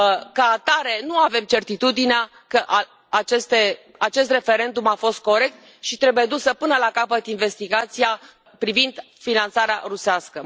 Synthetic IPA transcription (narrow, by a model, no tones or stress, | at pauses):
kəat̪aɾe̞nuave̞mt͡ʃe̞rt̪it̪ud̪inea | kəʔa | at͡ʃest̪e | at͡ʃe̞st̪re̞fe̞ɾe̞nd̪umafo̞st̪̚ko̞ɾe̞k̚t̪ | ʃit̪ɾe̞buje̞d̪usəpɨnəlakapət̪inve̞st̪iɡat̪sia | pɾivind̪ | finant̪saɾea̰ɾuseaskə